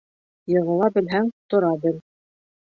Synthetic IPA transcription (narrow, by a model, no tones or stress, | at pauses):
jɤ̆ʁɤ̆lˠɑbɘ̆lɦæŋt̪ŏɾɑbɘl